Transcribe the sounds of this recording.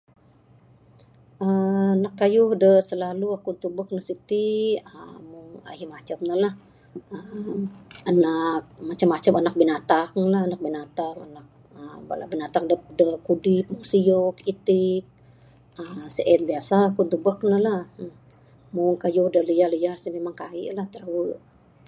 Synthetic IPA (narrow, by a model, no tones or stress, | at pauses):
ʔənakːajʊhdəsəlaluakunt̪ubək̚nəsit̪iəmʊŋa̰himat͡ʃamnəlah | əmanak̚mat͡ʃamːat͡ʃamanak̚binat̪aŋlahanak̚binat̪aŋa̰nak̚ | əba̰la̰binat̪aŋdəpdəkudɪp̚muŋsijɔkit̪ɪk̚ | əmsəʔɛnbiasaːkunt̪ubək̚nəlah | mʊŋkajʊhdəliahliarsimemaŋkaḭʔlaht̪əruəʔ